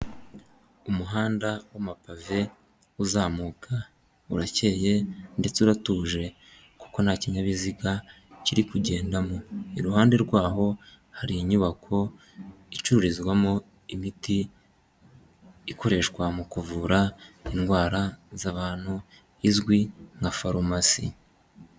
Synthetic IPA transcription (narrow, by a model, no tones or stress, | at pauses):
umuɦaːndawamapave̞ | uzaːmuːkʰa | uɾace̞ːje̞nde̞t͡seuɾatuːʒe̞ | ku̥ko̞nhaciɲaβiziɡa | ciɾikuɟe̞ːndamo̞iɾuɦaːnde̞ɾɡwaːɦo̞ | haɾiɲuβakʰo̞ | it͡ʃuɾuɾizɡwamo | imiti | ko̞ɾe̞ʃkwamukuvuɾainɡwaːɾazaβaːn̥hu | izɡwiŋɡafaɾomasḭ